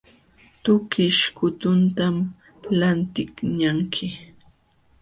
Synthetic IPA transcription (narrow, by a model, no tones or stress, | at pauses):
t̪ʊkɪʃkʊt̪ʊnt̪am | lant̪ɪkɲaŋkʰɪ